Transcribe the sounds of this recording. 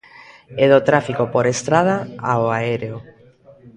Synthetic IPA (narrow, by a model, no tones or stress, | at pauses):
eðot̪ɾafikopoɾest̪ɾað̞aaoaeɾeo